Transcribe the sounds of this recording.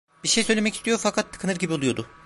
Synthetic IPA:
b̥iɾʃejsø̞jlʲemɛcist̪ʰijofakʰat̪ʰːɯ̥kʰɯnɯɾɟibiolˠujo̞d̪ʊ

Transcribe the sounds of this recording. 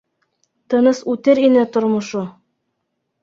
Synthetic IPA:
t̪ɤ̆nɤsʉt̪ɘɾinɘt̪ŏɾmŏʃo

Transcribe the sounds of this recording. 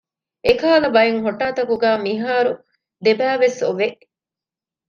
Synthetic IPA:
ekaːlɐbɐjeŋɦoʈːaːt̪ɐkuɡæːmiɦaːɾu | d̪ebæːʋesoʋeʔ

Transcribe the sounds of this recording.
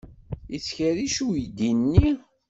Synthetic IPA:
it͡sːçəɾiʃujd̪inːi

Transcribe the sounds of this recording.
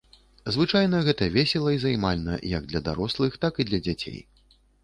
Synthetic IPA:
zvɨt͡ʂajn̪ɐɣɛt̪ɐvʲɛsʲɛlˠɐizajmalʲnɐ̰jɐɡ̚d̪lʲɐd̪a̰ɾɔslˠɨxt̪akid̪lʲɐd͡zʲat͡sʲḛj

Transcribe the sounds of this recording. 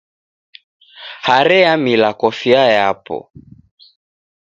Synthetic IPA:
haɾɛamilakɔfiajapɔ̰

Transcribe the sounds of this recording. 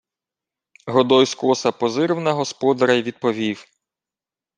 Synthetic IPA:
ɦɔd̪ɔjskɔsɐpɔzɪɾɪwnɐɦɔspɔd̪ɐɾɐjʋʲid̪̚pɔʋʲiw

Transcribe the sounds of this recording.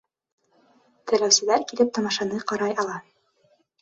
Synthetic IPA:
t̪ɘ̆læwsɘ̆læɾkilɘp̚t̪ɑmɑʃɑnɤqɑɾɑjɑlˠɑ

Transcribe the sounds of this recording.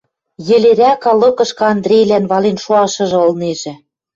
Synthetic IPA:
jɘ̆leɾʲækɑlɤ̆kɤ̆ʃkɤ̆ɑnd̪ɾʲejlænβɑlenʃoɑʃɤ̆ʒɤ̆ŏlˠneʒɘ̆

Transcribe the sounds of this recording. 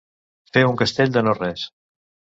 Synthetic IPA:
feuŋkəst̪eʎʲd̪ənorɛs

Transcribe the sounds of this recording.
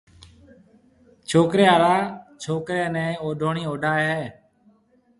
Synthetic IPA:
t͡ʃʰoːkɾeːaːɾaːt͡ʃʰoːkɾeːnɛ̃ːoːɖʱoːɳiːoːɖʱaːɦɛː

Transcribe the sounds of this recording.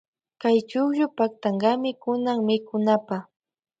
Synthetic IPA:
kajt͡ʃʊkjʊpak̚t̪aŋɢɑmɪkʊnaŋmɪkʊnapa

